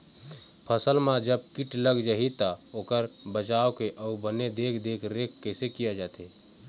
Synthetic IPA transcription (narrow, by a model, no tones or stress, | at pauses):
pʰəsəlmãd͡ʒəb̚kiʈləɡd͡ʒaɦit̪aoːkəɾbət͡ʃaːokeʔɔubəned̪eːkʰd̪eːkʰɾekʰːəɪsekijad͡ʒaːt̪e